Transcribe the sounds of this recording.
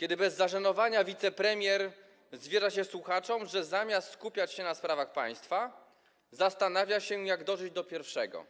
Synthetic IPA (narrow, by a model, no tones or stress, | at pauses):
kʲɛd̪ɘbɛzːaʂanɔvaɲavʲit̪sɛpɾɛmʲjɛɾ | zvʲjeʐaɕɛswuxat͡ʂɔmʐɛzamʲjast̪skupʲjat͡ɕɕɛnaspɾavaxpa̰j̃st̪fa | zast̪anavʲjaɕɛjaɡd̪ɔʐɘd͡ʑd̪ɔpʲjɛɾfʂɛɡɔ̰